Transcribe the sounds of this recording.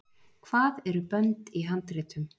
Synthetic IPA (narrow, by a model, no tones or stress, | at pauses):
kʰv̥aːðɛɾʏpœnt̪iɦant̪ɾɪːt̪ʏm